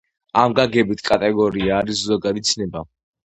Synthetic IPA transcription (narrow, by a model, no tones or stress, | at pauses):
ʔamɡaɡɛbit̪ʰkʼat̪ʼɛɡɔɾiaːɾiszɔɡad̪it̪sʰʼnɛba